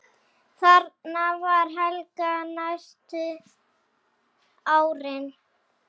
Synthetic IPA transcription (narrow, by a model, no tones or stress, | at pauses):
θaɾtnavaɾ̥ɦɛlkanajst̪ʏ | aːwɾɪn